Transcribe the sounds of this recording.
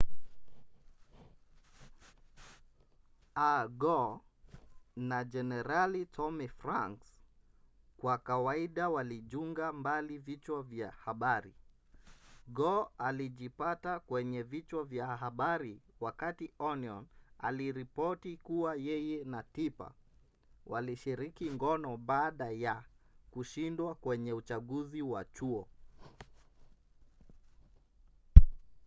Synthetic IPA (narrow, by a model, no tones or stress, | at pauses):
aɡɔ | nad͡ʒɛnɛɾalitʰɔmifɾaŋks | kwakawaiɗawaliʄuŋɡambalivit͡ʃwavjahaɓaɾḭ | ɡɔaliʄipatakwɛɲɛvit͡ʃwavjaɦaɓaɾiwakatiɔniɔna̰liɾipɔtikuwajɛjɛnatipa̰ | waliʃiɾikiŋɡɔnɔɓaːɗajakuʃindwakwɛɲɛut͡ʃaɠuziwa̰t͡ʃuɔ